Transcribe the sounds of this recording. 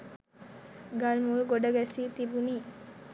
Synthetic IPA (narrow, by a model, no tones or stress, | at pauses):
ɡalmulɡoɖɐɡɛsiːt̪ibuniː